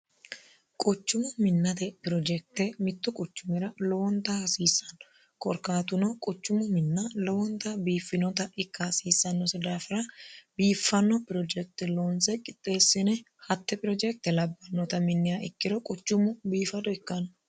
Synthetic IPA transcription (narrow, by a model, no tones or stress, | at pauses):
kʼɔt͡ʃːʊmʊmɪnːɐt̪ɛpɪɾɔd͡ʒɛk̚t̪ɛmɪt̪ːʊkʼɔt͡ʃːʊmɛɾɐlɔwɔnt̪ːɐhɐsiːsːɐnɔ | kɔɾkaːt̪ʊnɔkʼɔt͡ʃːʊmʊmɪnːɐlɔwɔnt̪ːɐbiːfːɪnɔt̪ɐɪkːɐhɐsiːsːɐnːɔsɛd̪aːfɪɾɐbiːfːɐnːɔpɪɾɔd͡ʒɛk̚t̪ɛloːnsɛkʼɪt̪ʼːe̞ːsːɪnɛ | hɐt̪ːɛpʼɪɾɔd͡ʒɛk̚t̪ɛlɐbːɐnːɔt̪ɐmɪnːɪjaɪkːɪd̪ɔkʼɔt͡ʃːʊmʊbiːfɐd̪ɔɪkːɐnɔ